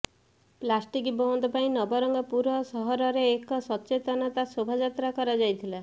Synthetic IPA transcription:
plasʈikbɔɔnd̪ɔpaĩnɔbɔɾɔŋɡɔpuɾɔsɔɦɔɾɔɾeːkɔsɔtːt͡ʃet̪ɔnɔt̪asobʱad͡ʒat̪ɾakɔɾad͡ʒajt̪ʰila

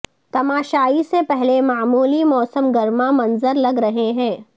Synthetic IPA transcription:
t̪ɐmaːʃaːisepɛɦlemaːmuːlimɔːsəmɡɐɾmãmɐnzəɾlɐɡɾɐɦeɦɛ̃ː

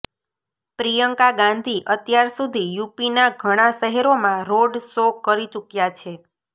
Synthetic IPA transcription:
pɾijəŋkaɡãnd̪ʱiʔət̪jaɾsud̪ʱijupinaɡʱəɽ̃aʃəɦɛɾomãɾoɖsokəɾit͡ʃukjat͡ʃʰe

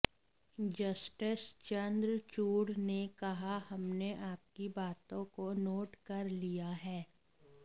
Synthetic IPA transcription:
d͡ʒɐsʈɪst͡ʃɐ̃nd̪ɾt͡ʃuːɽnekɐɦahɐmneʔaːp̚kibaːt̪õkonoːʈkɐɾlijaɦɛː

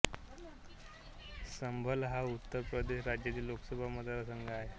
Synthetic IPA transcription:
səmbʱəlɦaut̪ːəɾpɾəd̪eɕɾad͡ʑjat̪iːlːoksəbʱaməd̪ʱaɾəsəŋɡaɦe

